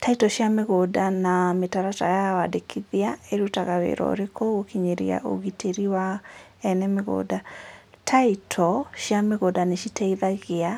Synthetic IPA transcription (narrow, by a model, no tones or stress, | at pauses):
taitɔɕjameɣodanametaɾatajawadekʰiðiaeɾutaɣawḛɾɔ̰ɾekoɣokiɲeɾḭa̰ʔo̰ɣitʰeɾiwa | ɛnɛmeɣo̰ːdatʰaitʰɔɕjameɣodaneɕitɛiðaɣea